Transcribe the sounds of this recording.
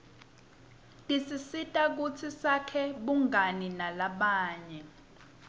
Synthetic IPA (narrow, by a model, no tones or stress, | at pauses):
tʼisisitʼak̬ut͡sʰisakʰɛɓuŋʱaninalaɓaːɲɛ